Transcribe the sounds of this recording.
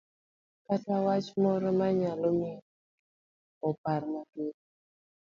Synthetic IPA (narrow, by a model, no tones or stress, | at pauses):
katawat͡ʃmɔɾɔmaɲalomɪ | ɔpaɾmaɡe